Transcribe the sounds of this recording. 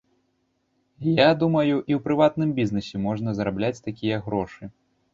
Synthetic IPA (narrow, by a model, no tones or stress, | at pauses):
jad̪umɐjuʔiwpɾɨvat̪̚nɨmbʲiznɨsʲɛmɔʐn̪ɐzɾablʲat͡sʲt̪akʲijɐɣɾɔʂɨ